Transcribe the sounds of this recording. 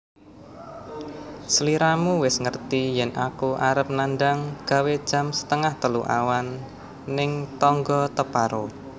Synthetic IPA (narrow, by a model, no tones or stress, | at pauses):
səliɾamuwɪsŋərt̪ijɛnʔakuʔaɾəp̚nanɖaŋɡ̥a̤wed̥ʒ̥a̤msə̥t̪əŋaht̪əluʔa̰wanː | ɪŋt̪ɔŋɡɔt̪əpaɾo